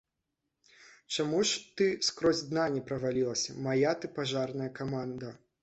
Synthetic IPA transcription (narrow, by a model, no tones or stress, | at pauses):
t͡ʂamuʂt̪ɨskɾɔzʲd̪nanʲɛpɾɐvalʲilˠɐsʲɐmajat̪ɨpaʐarnɐjɐkamand̪ɐ